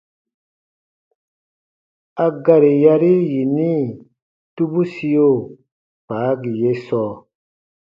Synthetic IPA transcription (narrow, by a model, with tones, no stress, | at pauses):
a˨ɡa˨ɾi˨ja˦ɾi˦ji˨ni˦ | tu˦bu˦si˦jo˦˨ | paː˨˦ɡi˨je˦sɔː˦